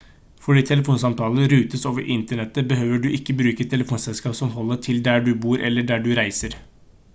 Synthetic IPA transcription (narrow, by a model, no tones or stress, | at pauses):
fɔɖiːt̪ʰɛləfuːnsɑmt̪ʰɑːləɾʉːt̪əsoːʋəɾʔɪnt̪əɳɛt̪ːəbəɦøːʋəɖʉʔɪkːəbɾʉːkət̪ʰɛləfuːnsɛlskɑːpsɔmɦɔlːət̪ʰɪld̪æɖʉbuːɾʔɛlːəɖæɖʉɾæɪsəɾ